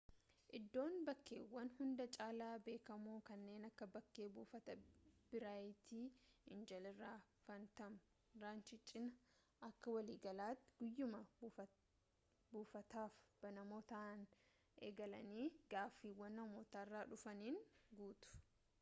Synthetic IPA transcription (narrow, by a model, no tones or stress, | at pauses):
ʔɪd̪ːo̞ːnbɐkːeːwːɐnhʊnd̪ɐt͡ʃʼaːlaːbe̞ːkɐmuːkɐnːe̞ːnɐkːɐbɐkːe̞ːbuːfɐt̪ɐb̥ɪɾaːjɪt̪iːɪnd͡ʒɐlɪrːaː | fɐnt̪ɐm | ɾaːnt͡ʃɪt͡ʃʼɪnɐ | ʔɐkːɐwɐliːɡɐlaːt̪ːɪɡ̥ʊjːʊmɐ | buːfɐt̪aːfb̥ɐnɐmoːt̪ɐn | ʔeːɡɐlɐ̰niːɡ̥aːfːiːwɐnːɐmoːt̪aːɪrːaːᶑʊfɐniːnɡuːt̪ʊ̥